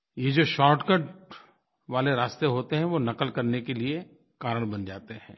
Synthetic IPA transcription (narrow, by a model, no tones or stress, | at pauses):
jed͡ʒoːʃɔːɾʈkəɖ | ʋaːleɾaːst̪eɦoːt̪eɦɛ̃ʋonɐkəlkɐɾnekelie | kaːɾəɽ̃bɐnd͡ʒaːt̪eɦɛ̃ː